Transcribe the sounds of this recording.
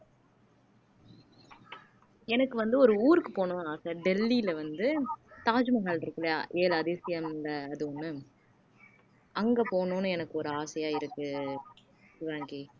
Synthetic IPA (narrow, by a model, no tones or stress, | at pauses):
ɛnɐkːɯʋɐnd̪ɯɔɾɯuːɾɯkːɯpoːnʊ̃aːsɐɖɛlːilɐʋɐnd̪ɯt̪aːd͡ʒɯmɐɣaːɭɪɾɯkːɯlɐjaʔeːlɐðɪsɪjɐmlɐːðɯʊnːɯ | ʔɐŋɡepoːnũnːɯɛnɐkːɯɔɾɯaːsɐjaːɪɾɯkːɯ | ʋaːŋɡi